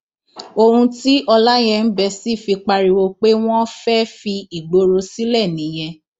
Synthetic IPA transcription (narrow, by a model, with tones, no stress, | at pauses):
o˧hũ˧ti˦ʔɔ˧la˦j̃ɛ̃˧n̩˦bɛ˧si˦˨fi˧k͡pa˧ɾi˧wo˧k͡pe˦w̃ɔ̃˦fɛ˦fi˧i˨ɡ͡bo˧ɾo˧si˦lɛ˦˨nĩ˨˦j̃ɛ̃˧